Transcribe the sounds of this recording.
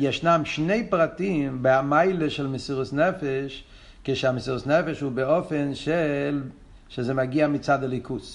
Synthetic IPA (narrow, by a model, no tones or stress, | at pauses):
jɛʃnamʃneɪpʁatimbɪamaɪləʃɛlˠmɪsiʁʊsnɛfɛʃ | keʃeamɪsiʁəsnɛfɛʃhuːbeɔfɛnʃɛl | ʃezemaɡiamit͡sadalˠikʰus